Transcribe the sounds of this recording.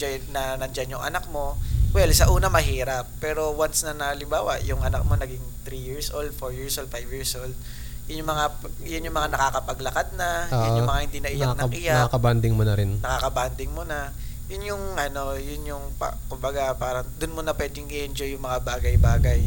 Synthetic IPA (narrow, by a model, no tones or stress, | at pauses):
d͡ʒojnɐnɐnd͡ʒanjʊŋʔɐ̰nak̚mo̞wɛlsɐʔuːnɐmɐɦiːɾɐpːɛːɾo̞wansnɐnɐhɐlɪmbaːwɐ̰ʔjʊŋʔɐnak̚mo̞nɐɡɪŋt̪ɾijiɹsʔold̪̚foɹjiɹsʔold̪fajbjiɹsʔold̪̚ | jʊnjʊŋmɐŋajʊnjʊŋmɐŋanɐkaːkɐpɐɡlɐkad̪̚nɐjʊnjʊmɐŋahɪnd̪inɐʔɪjanɐʔɪjaakɐband̪ɪŋmonɐɾɪnnɐkakɐband̪ɪŋmonɐ | jʊnjʊŋʔɐno̞jʊnjʊŋpa̰kʊmbɐɡapaːɾɐŋd̪ʊnmonɐpwɛd̪ɪŋɡɪʔɛnd͡ʒojʊŋmɐŋabaːɡɐjbaːɡɐj